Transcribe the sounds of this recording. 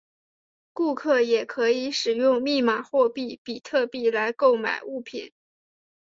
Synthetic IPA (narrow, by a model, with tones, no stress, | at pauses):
ku˥˧kʰɤ˥˩jɛ˨˩kʰɤ˧˥i˧˥ʂɻ̩˨˩jʊ˥˧ŋmi˥˩ma˨˩xwɔ˥˧pi˥˩pi˨˩t̪ʰɤ˥˧pi˥˩la˧˥ɪko˥˩ʊma̰˨˩ɪu˥˩pʰḭ˨˩˦n